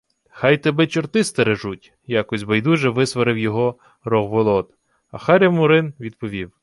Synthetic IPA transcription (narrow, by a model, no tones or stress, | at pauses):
xɑjt̪ɛbɛt͡ʃɔrt̪ɪst̪ɐɾeʒutʲ | jɑkɔsʲbɐjd̪uʒɛʋɪsʋɐɾɪwjɔɦɔ | rɔɣʋɔlˠɔt̪ | ɐ̰xɑɾʲɐmʊɾɪnʋʲid̪̚pɔʋʲiw